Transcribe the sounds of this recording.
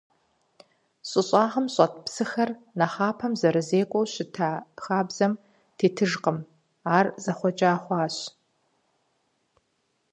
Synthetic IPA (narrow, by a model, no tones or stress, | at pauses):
ɕʼɪɕʼɑːʁɐmɕʼɐt̚ʰpsɨxɐr | nɐχaːpʰɐmzɐɾɨzeːkʷʼɔwɕɪtʰaːxaːbz̥ɐm | tʰeːtʰɨʒqəm | aːrz̥ɐχʷɔt͡ʃʼaːχʷɑːɕ